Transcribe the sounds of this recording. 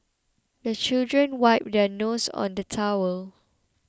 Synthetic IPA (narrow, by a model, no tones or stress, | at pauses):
dət͡ʃildɹə̃nwaɪp̚dɛnosɔ̰̃ndətʰawəl